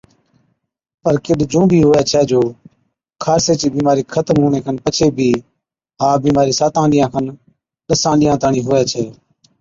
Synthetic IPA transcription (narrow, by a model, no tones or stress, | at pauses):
pəɾkɪɗd͡ʒũːbʱiːɦoːɛːt͡ʃʰɛːd͡ʒoː | kʰaːɾseːt͡ʃiːbiːmaːɾiːkʰət̪mɦoːɳeːkʰənpət͡ʃʰeːbʱiː | ɦãːbiːmaːɾiːsaːt̪ãːlɪjãːkʰən | ɗəsãːlɪjãːt̪aːɳĩːɦoːɛːt͡ʃʰɛː